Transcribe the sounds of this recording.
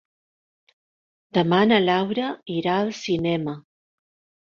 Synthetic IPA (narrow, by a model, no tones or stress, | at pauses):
d̪̥əmanəlawɾəiɾaəlˠsinɛmə